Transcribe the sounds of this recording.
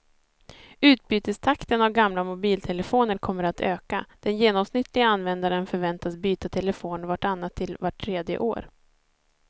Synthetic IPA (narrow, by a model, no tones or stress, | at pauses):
ʉ̟ːt̪̚byːt̪əst̪ʰakt̪ənavɡamlamʊbiːlt̪ʰɛləfoːnəɾkʰɔmːəɾat̪ʰøːka̰d̪̥ɛnjeːnɔmsnɪt̪ʰːlɪɡaanːvɛnd̪aɾənfœɾvɛnt̪asbyːt̪at̪ʰɛləfoːnvaʈanːat̪ʰːɪlvaʈʰːɾeːd̪jə̰ʔo̰ːɾ